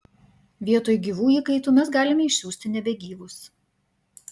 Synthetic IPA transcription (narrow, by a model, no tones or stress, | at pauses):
ʋʲiɛt̪oːjʊɡʲiːʋuːiːkɐɪt̪uːmʲɛs̬ɡɑːlʲɪmʲɛɪʃʲsʲuːsʲt̪ʲɪnʲɛbʲɛɡʲiːʋʊs